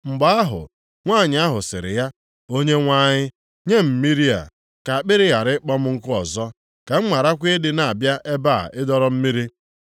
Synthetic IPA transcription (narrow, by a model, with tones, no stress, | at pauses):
ŋ͡m̩˨ɡ͡ba˦a˦ɦʊ̰˨ | ŋʷaː˦˨ɲɪ˨˦a˦ɦʊ˨sɪ̰˨ɾɪ̰˨ja˦ | o˦ɲe˦ŋʷa˦ɲɪ˦ | ɲe˦m̩˨mi˦ɾi˦a̰˨ | ka˨k͡pɪ˦ɾɪ˦ɣa˨ɾɪ˦k͡pɔ˦m̩˦ŋ̩˦kʊ˦ɔ˨zɔ˦ | ka˨ŋ͡m̩˦ma˨ɾa˦kʷe˦dɪ˦na˨a˨bja˦ʔe˦ba˦˨a̰˨ɪ˦dɔ˦ɾɔ˦m̩˦mi˦ɾi˦